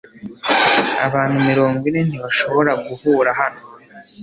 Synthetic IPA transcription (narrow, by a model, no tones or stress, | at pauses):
a̰βaːnhumiɾo̞ːŋɡwine̞n̥iβaʃo̞βo̞ɾaɡuhuːɾaɦano